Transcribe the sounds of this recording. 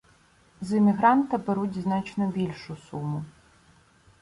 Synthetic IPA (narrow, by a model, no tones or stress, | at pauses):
zɪmʲiɦɾɑnt̪ɐbeɾutʲznɑt͡ʃnɔbʲilʲʃʊsumʊ